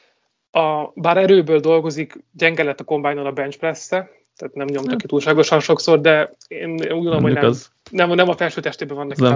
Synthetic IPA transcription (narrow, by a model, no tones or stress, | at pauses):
ɒbaːɾɛɾøːbøːld̪o̞lɡo̞zikɟɛŋɡɛlɛt̪ːɒko̞mbajnːolɒbɛnt͡ʃpɾɛsːɛ | t̪aːt̪nɛmɲo̞mt̪ɒkːit̪uːlʃaːɡo̞ʃɒnʃo̞kso̞rd̪ɛ | eːnenuːɟɡoomɦonɛz | nɛmnɛmɒfɛlʃyːt̪ɛʃt̪eːbɛvɒnːɒk